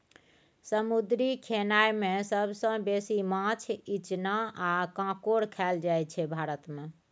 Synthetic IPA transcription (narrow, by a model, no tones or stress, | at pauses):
səmud̪ɾikʰenajmesəbʱsə̃besimãt͡ʃʰit͡ʃnaakãkoɾkʰɛld͡ʒajt͡ʃʰɛbʱaɾət̪me